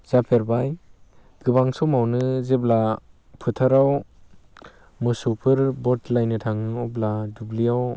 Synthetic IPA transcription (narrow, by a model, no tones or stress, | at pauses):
z̥apʰeɾbaj | ɡɯbaŋsɔmawnɯzebla | pʰɯtʰaɾaw | mɯsupʰɯɾbɔtlajnɯtʰaŋɯɔbladublijaw